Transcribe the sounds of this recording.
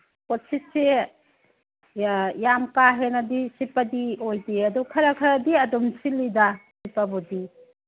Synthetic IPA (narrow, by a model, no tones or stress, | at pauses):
kɔsʰitse | jamkaɦenadisipadiojdiɐdukʰɐɾakʰɐɾadiɐdumsilidasipabɔdi